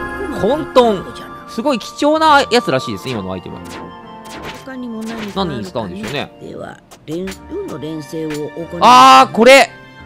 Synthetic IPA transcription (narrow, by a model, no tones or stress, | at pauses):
hõnt̪õŋ | sɨɡo̞ikʲi̥t͡ɕo̞ːnajat͡sɨɾaɕiːd̪e̞sɨnimanoa̰it̪ema̰n | ɲinãɲiɲsɨ̥t̪ãɯ̃nd̪e̞sone̞̰ḛβa̰ | ɾẽɾẽɰ̃seːoaːko̞ɾe̞